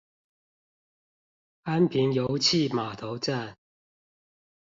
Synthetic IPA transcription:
a˥npʰi˨˥ŋjo˨˧˥wt͡ɕʰi˥˨maː˨˩t̪ʰo˨˥wt͡sa˥˩n

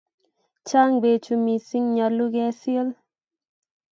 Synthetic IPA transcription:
t͡ʃa˦ŋbe˨t͡ʃu˨mi˨si˦ŋɲɔ˨lu˦ɡɛ˦sjo˦l

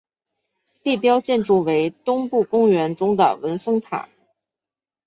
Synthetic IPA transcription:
t̪i˥˩pjɑ˥ʊt͡ɕjɛ˥˧nʈ͡ʂu˥˩we˧˥ɪt̪ʊ˥ŋpu˥˩kʊ˥ŋɥɛ˧˥nʈ͡ʂʊ˥ŋd̪ə̰˨˩wə˧˥nfɤ˥ŋt̪ʰa̰˨˩˦

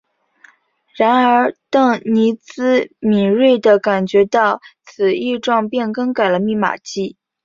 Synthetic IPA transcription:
ɻa˧˥nə˞˧˥t̪ɤ˥˩ŋni˧˥t͡sɹ̩˥mi˨˩ɻwe˥˩ɪd̪ə˩ka˨˩nt͡ɕɥɛ˧˥t̪ɑ˥˩ʊt͡sʰɹ̩˨˩i˥˧ʈ͡ʂwɑ˥˧ŋpjɛ˥˩˧nkə˥ŋka˨˩ɪlə˦mi˥˩ma̰˨˩t͡ɕi˥˩

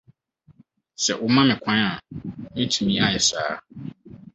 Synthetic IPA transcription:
sɛ˨ʔʊ˨mã˦mɪ̃˨kʷʰã˦a˨mɪ̃˦tʰũ˨mĩ˦a˦˨jɛ˨sa̰ː˦

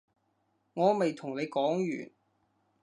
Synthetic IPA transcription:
ŋɔː˨˧me˨jt̪ʰʊ˨˩ŋle˨˧jkɔː˨˥ŋjy̰ː˨˩n

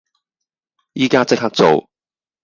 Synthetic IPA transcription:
jiː˥kaː˥t͡sɪ˥k̚haː˥k̚t͡so˨w

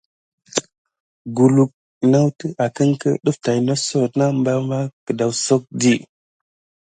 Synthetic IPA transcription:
ɡu˨lu˨k̚ | na˦wtə˦ʔa˨kə˦ŋkə̰˦ɗu˦fta˨jno˦so˦˨tna˦mba˦ma˦kə˨da˨wso˦k̚di˦˨

